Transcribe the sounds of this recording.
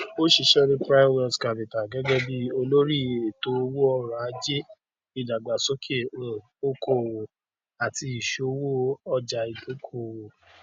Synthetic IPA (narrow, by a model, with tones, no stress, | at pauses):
o˦ʃi˧ʃɛ˦ɾĩ˦pɾa˦wɔ̃˧ska˨bi˨ta˨ɡɛ˦ɡɛ˦bi˦o˧lo˦ɾi˦˨e˨to˦wo˦ɔ˧ɾa˨a˦d͡ʒe˦ | i˨da˨ɡ͡ba˨so˦kʰe˦˨ | o˦ko˦˨wo˨ | a˨ti˧i˨ʃo˨˦wo˦ɔ˦d͡ʒa˨i˨do˨˦kʰo˦˨wo˨